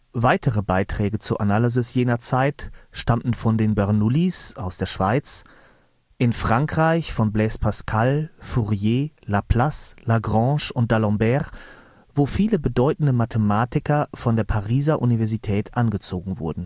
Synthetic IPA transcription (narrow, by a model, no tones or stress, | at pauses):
vaɪtʰəʁəbaɪtʁ̥ɛːɡət͡suːɐʔanaːlizɪsjeːnɐt͡saɪtʃtamn̩fɔndeːnbɛɐnulisaʊsd̥eːɐʃv̥aɪt͡s | ʔɪnfʁ̥aŋkʁ̥aɪçfɔnblɛːspʰaskʰalfuʁjeːlapʰlaslaɡʁɑ̃ːʃʊnt̚d̥alɔ̃mbɛːʁ | voːfiːləbədɔʏtn̩dəmatʰəmaːtɪkʰɐfɔndeːɐpʰaʁiːzaʔunivɛɐzitʰɛːtʔanɡət͡soːɡŋ̩vʊɐdn̩